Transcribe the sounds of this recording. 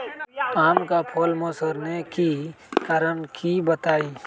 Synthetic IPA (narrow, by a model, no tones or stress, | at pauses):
aːmkapʰolmosəɾneki | kaːɾənkʰibət̪aːi